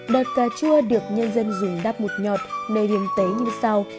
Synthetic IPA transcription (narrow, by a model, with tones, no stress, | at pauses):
ɗəː˨˩t̚kaː˨˩t͡ɕu˧əɗɨ˨˩ək̚ɲə˧nzə˧nzʊ˨˩ŋ͡mɗaː˦˥p̚mo˨˩t̚ɲɔ˨˩t̚me˧˨˩ɗi˨˦ənt̪e˨˦ɲɨ˧sa˧w